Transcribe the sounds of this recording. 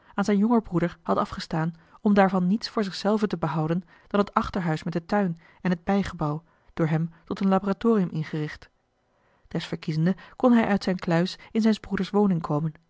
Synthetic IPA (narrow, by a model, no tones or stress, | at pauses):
aːnzɛjnjɔŋəɹbrudəɹhɑtɑfχəstaːnɔmdaːɹvɑnːitsfʊːɹzɪχsɛlˠvətəbəɦɑwdən | d̥ɑnɦətɑχtəɹɦœɥsmɛt̚dətœɥn | ɛnɦəd̚bɛjχəbɑw | d̥ʊːɹɦɛmtɔtənlaboratʊːrijəmʔɪnχərɪχt | d̥ɛsfəɹkizəndəkɔnɦɛjʔœɥtsɛjnklœɥsɪnzɛjnzbrudəɹsʋownɪŋkʰowmən